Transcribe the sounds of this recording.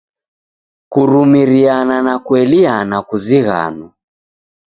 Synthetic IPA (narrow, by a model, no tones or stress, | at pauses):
kuɾumiɾiananakwɛlianakuziɣa̰na